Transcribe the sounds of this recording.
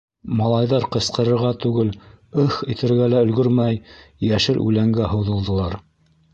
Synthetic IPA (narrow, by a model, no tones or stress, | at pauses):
mɑlˠɑjðɑɾqɤ̆sqɤ̆ɾɤ̆ɾʁɑt̪ʉɡɘlɵxit̪ɘ̆ɾɡælæɵ̆lɡɵɾmæjjæʃɘlʔʉ̰læŋɡæɦɤ̆wðɤ̆lˠd̪ɤ̆lˠɑɾ